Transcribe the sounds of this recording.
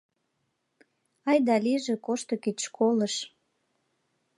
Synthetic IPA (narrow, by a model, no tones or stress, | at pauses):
ɑjd̪ɑliʒĕkoʃt̪okiʃkʰoləʃ